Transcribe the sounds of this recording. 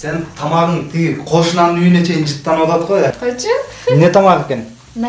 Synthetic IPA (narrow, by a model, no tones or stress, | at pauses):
sent̪ʰɑmɑʁəɴt̪ʰiɡqʰoʃənɑnənʏjɪne̞kʰe̞jɪnʒət̪ːɑnwot̪ɑd̪əʁojæqjt͡ʃ | mne̞t̪ʰɑmɑʁekʲe̞n